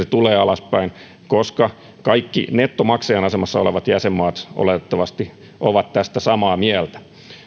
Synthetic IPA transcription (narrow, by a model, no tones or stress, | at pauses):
set̪uleːɑlɑspæin | koskɑ | kɑikːḭnet̪ːomɑkseːnɑsemɑsːɑoleʋɑt̪jæsemːɑːt̪ʔo̰let̪et̪ːɑʋɑst̪i | ʔoʋɑt̪t̪æst̪æsɑmɑːmiælt̪æ̥